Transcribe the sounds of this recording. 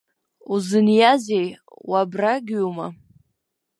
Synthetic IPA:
uzɨnjazej | wabraɡʲuma

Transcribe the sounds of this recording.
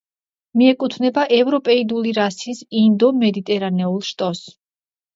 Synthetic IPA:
miɛkʼut̪ʰvnɛbaʔɛvɾɔpʼɛid̪uliɾasisind̪ɔmɛd̪it̪ʼɛɾanɛulˠʃt̪ʼɔs

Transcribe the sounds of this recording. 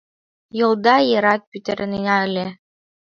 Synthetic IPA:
jɤ̆lˠd̪ɑjɤ̆ɾɑt̪̚pʲyt̪ʲɘ̆ɾɘ̆ninæɘ̆lʲe

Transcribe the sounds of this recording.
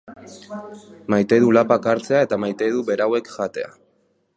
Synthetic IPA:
majt̪e̞ðulapakaɾt͡se̞ae̞t̪amajt̪e̞ðuβe̞ɾawe̞kʝat̪e̞a̰

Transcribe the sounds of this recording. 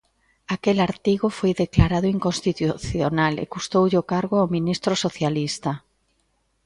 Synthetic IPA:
akelaɾt̪iɣʊfojðeklaɾaðʊiŋkõnst̪it̪uθjonalḛkust̪owʎokaɾɣʊawmĩnist̪ɾosoθjalist̪a

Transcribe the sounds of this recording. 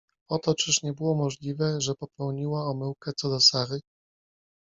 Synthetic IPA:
ɔt̪ɔt͡ʂɘʂɲɛbɘwɔmɔʐlʲivɛʐɛpɔpɛwɲiwaɔmɘwkɛt̪sɔd̪ɔsaɾɘ

